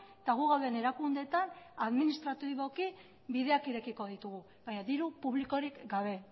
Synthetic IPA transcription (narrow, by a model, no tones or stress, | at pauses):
et̪aɣ̞uɣawðene̞ɾakund̪e̞t̪anaðminist̪ɾat̪iβo̞ki | biðe̞akiɾe̞kiko̞ðit̪uɣu | βaɲaðiɾupuβliko̞ɾikɡaβ̞e̞